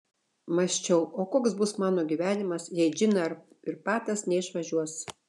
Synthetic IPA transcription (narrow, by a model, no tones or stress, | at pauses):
mɐsʲt͡ʃʲɛʊoːkoːksbʊsmɑːnoːɡʲiʋʲæːnʲɪmɐsjɛɪʒʲɪnɐɐɾ | ɪɾpɑːt̪ɐsnʲɛɪʃʋɐʒʲuɔs